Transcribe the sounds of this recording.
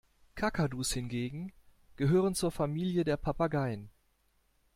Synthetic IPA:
kʰakaduːshɪnɡeːɡŋ̩ | ɡ̥əɦøːʁ̞ənt͡suːɐfamiːljədeːɐpʰapaɡaɪən

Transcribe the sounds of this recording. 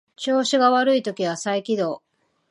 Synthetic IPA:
t͡ɕo̞ːɕiɡaβaɾɯ̟it̪o̞kʲiβ̞asaikʲid̪o̞ː

